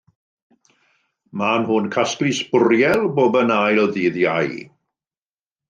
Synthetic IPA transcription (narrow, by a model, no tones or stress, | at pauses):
manhʊnkʰaskrɪsb̥ʊrjɛlˠboːbənajɾɔðiːðjaj